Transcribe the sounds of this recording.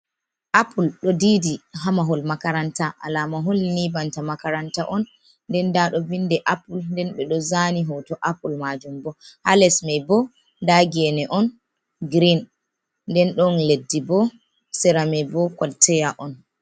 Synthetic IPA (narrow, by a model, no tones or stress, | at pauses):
ʔapʰulɗɔdiːdiɦamaɦɔlmakaɾantaʔa̰lamaɦɔlnibantamakaɾantaʔɔn | ndɛndaɗɔvindɛʔapulndɛnɓɛɗɔzaniɦɔtɔʔapulmad͡ʒumbɔhalɛsmɛjbɔ | daɡɛnɛʔɔn | ɡɾin | ndɛnɗɔnledːibɔ | sɛɾamɛbɔkɔltʰɛjaʔɔn